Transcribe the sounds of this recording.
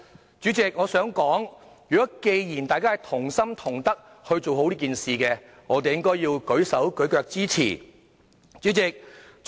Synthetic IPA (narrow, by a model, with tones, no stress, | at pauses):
t͡ʃyː˨˥t͡sɪ˨k̚ŋɔː˨˧sœː˨˥ŋkɔː˨˥ŋ | jyː˨kɔː˨˦˥ke˧jjiː˨˩nt̪aː˨jkaː˥˨t̪ʰʊ˨˩ŋsɐ˥mt̪ʰʊ˨˩ŋt̪ɐ˥k̚ | hɵ˧ɥt͡so˨who˨˥wliː˥kiː˨nsiː˨kɛ˧ | ŋɔː˨˧t̪e˨jɪ˥ŋkɔː˥jjiː˧wkɵ˨˥ɥsɐ˨˥wkɵ˨˥ɥkœː˧k̚t͡siː˥t͡sʰḭː˨˩ | t͡ʃyː˨˥t͡sɪ˨k̚